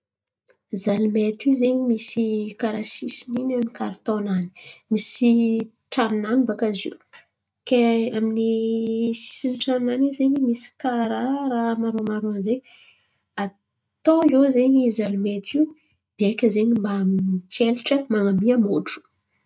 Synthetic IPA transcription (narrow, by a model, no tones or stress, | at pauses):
zalimet̪iuzeɲimisikaɾasisininaminikaɾt̪onani̥misi | ʈ͡ʂaninanibakazḭu | keaminisi̥siniʈ͡ʂannanizeɲimisi̥kaɾaɾamaɾomaɾonzeɲ | a | t̪oiozeɲizalumet̪i | b̥iajkʲəzeɲimbaminit͡seliʈ͡ʂəmaŋamiəmoʈ͡ʂu̥